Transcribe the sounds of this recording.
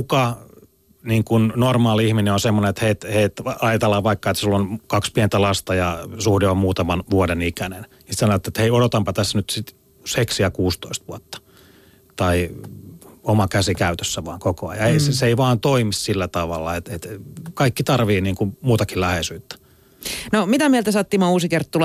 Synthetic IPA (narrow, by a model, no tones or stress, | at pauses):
kukɑ | niːŋkunnormɑːliihmineonsemːonenet̪heit̪heit̪ɑit̪ɑlːɑʋɑikːɑet̪sulːonkɑkspient̪ælɑst̪ɑjɑsuhdeommuːt̪ɑmɑnʋuodenikænennisit̪sɑnoʋet̪ːet̪heiodot̪ɑmpɑt̪æsːnyt̪sit̪ | seksiækuːst̪oist̪ʋuɔt̪ːɑ̥ | t̪ɑi | omɑkæsikæyt̪øsːæʋɑ̰ːŋkokoɑ̰jɑeiseseeiʋɑːnt̪oimissilːæt̪ɑʋɑlːɑet̪et̪kɑikːit̪ɑrʋiːniːŋkummuːt̪ɑkillæhesyːt̪ːæ̥ | nomit̪æmiɛlt̪æsɑːt̪ːimouːsikert̪t̪ul